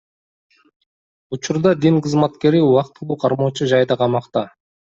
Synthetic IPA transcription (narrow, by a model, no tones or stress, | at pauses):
ut͡ʃuɾd̪ɑd̪inqəzmɑt̪ke̞ɾɪuɑqt̪ulˠuːqʰɑɾmot͡ʃuʒɑjd̪ɑqʰɑmɑqt̪ɑ